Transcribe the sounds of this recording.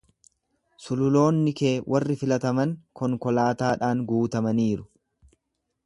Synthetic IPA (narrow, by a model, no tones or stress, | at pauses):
sʊlʊlo̞ːnːɪke̞ːwʔɐrːɪfɪlɐt̪ɐmɐŋkɔŋkɔlaːt̪aːᶑaːŋɡuːt̪ɐmɐniːɾʊ̥